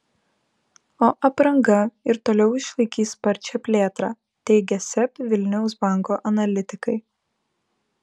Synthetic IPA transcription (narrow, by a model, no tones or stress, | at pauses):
oːʔɐpɾɐŋɡɐɪɾt̪oːlʲɛʊɪʃlˠɐɪkʲiːspɐɾʲt͡ʃʲɛpʲlʲeːt̪ɾɑː | t̪ʲɛɪɡʲɛsʲɛpʲʋʲɪlʲnʲɛʊs̬bɑˑŋkoːʔɐnɐlʲɪt̪ʲɪkɐɪ